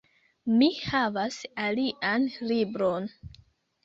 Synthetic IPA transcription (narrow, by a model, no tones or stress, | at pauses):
mihavasaliʔanlibɾo̞n